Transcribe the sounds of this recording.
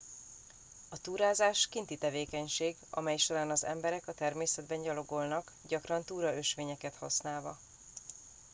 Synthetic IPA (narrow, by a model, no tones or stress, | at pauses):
ɒt̪uːɾaːzaːʃkint̪it̪ɛveːkɛɲʃeːɡɒ̰mɛjʃoɾaːnɒzɛ̰mbɛɾɛkɒt̪ɛrmeːsɛd̪̚bɛɲɟɒlo̞ɡo̞lnɒk | ɟɒkrɒnt̪uːɾɒø̞ʃʋeːɲɛkɛt̪hɒ̰snaːlvɒ̰